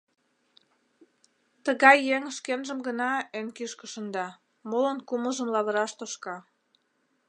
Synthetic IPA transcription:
t̪əɣɑjːeŋəʃkenʒə̆mɡənɑønkiʃkə̆ʃə̆nd̪ɑ | molənkuməʒə̆mlɑβə̆ɾɑʃt̪oʃkɑ

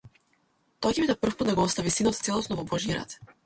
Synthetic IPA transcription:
t̪ɔacɛbid̪apr̩fput̪d̪aɡɔɔst̪avisinɔt̪t̪sɛlˠɔsnɔvɔbɔʒiɾa̰t̪

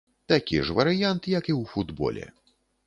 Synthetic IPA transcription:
t̪akʲḭʐvɐɾɨjant̪jɐkiwfud̪bɔ̰lʲɛ̰

